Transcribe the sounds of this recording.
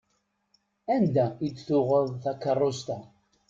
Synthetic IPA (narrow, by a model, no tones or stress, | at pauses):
ænd̪æid̪θʊʁəðˤθækːərˤːost̪æ